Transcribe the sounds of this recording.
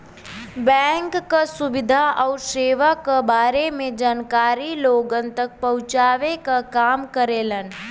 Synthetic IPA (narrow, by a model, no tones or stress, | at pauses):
bɛ̃ːŋkːasʊbɪd̪ʱaʔɔʊɾʃeːʋakːabaːɾemẽd͡ʒaːnkaːɾiloːɡənt̪ək̚pəʊt͡ʃaːʋekakaːmkəɾeːlən